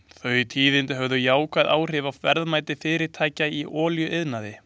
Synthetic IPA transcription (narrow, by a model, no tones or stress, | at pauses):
θœɥt̪ʰiːðɪnt̪ɪɦœvðʏjaːwkʰvaðaːwr̥ɪvawfɛɾðmaːjt̪ɪfɪːɾɪɾt̪ʰaːjcaiʔɔːljʏʔɪðnaðɪ